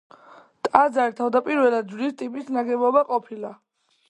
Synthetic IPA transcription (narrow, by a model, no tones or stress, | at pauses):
t̪ʼad̪zaɾit̪ʰavd̪apʼiɾvɛlad̪̚d͡ʒlist̪ʼipʼisnaɡɛbɔbaqʼɔpʰila